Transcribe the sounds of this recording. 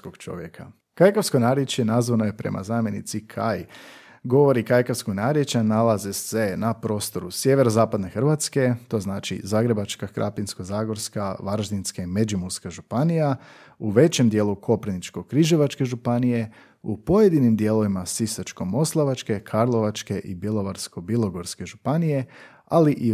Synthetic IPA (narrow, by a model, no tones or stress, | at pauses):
koɡt͡ʃo̞̰ʋjḛkʰa̰ | kajkaskonaːɾjet͡ʃjenazʋanoje̞pɾe̞̰mʔa̰zaːmje̞nit̪sikʰaj | ɡo̞ʋo̞ɾikajkaʋskoɡnaːɾjet͡ʃanalazese̞napɾo̞ːst̪o̞ɾusje̞ʋe̞ɾozaːpad̪ne̞xr̩ʋat̪ske̞t̪o̞ːznaːt͡ʃḭzaːɡɾe̞bat͡ʃkaxɾʔa̰pinskozaːɡo̞ɾskaʋaɾʒd̪inskaime̞d͡ʒumuskaʒupanija | uʋe̞t͡ɕemd̪jeːlˠukʰo̞pɾinit͡ʃko̞kɾiʒeʋat͡ʃke̞ʒupanije̞ | upo̞jed̪inimd̪je̞ːlˠo̞ʋimasisat͡ʃko̞mo̞slˠaʋat͡ʃke̞kʰaɾlˠo̞ʋat͡ʃke̞ʔibjilo̞ʋaɾsko̞bilˠo̞ɡo̞ɾske̞ʒupanije̞ | aliʔi